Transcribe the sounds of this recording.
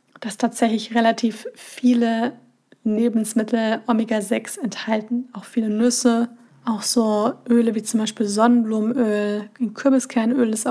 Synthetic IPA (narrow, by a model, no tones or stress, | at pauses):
d̥astʰaːtz̥ɛçlɪçʁelatʰiːfːiːlə | neːbn̩smɪtʰl̩ʔɔmiɡazɛksɛnthaltn̩aʊxfiːlənʏsə | ʔaʊxz̥oːʔøːləviːt͡sʊmbaɪʃpiːlzɔnənbluːmʔøːlɪnkʰʏɐbəskʰɛɐnʔøːlɪs